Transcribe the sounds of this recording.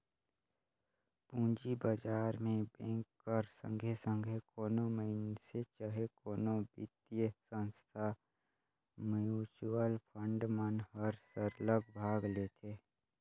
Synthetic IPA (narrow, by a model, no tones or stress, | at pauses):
pũːd͡ʒibəd͡ʒaːɾmẽbẽːŋkːəɾsə̰̃ŋɡʱesə̃ŋɡʱekoːnoməɦɪnset͡ʃəɦekoːnõbɪ̰t̪jəsə̃nst̪ʰa | mjuːt͡ʃuəlpʰə̃ɳɖmənɦəɾsəɾləɡ̚bʱaːɡleːt̪ʰeː